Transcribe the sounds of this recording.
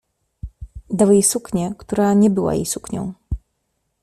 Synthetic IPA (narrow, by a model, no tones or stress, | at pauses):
d̪awjejsukɲɛkt̪uɾaɲɛbɘwa̰jḛjsukɲɔ̰̃w̃